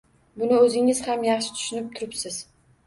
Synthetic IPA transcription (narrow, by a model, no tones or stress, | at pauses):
bʊnɪɵzɪŋɪz̥hamjɑχʃɪ̥t̪ʰʊ̥ʃʊnɪp̚t̪ʰʊɾɪpsɪz̥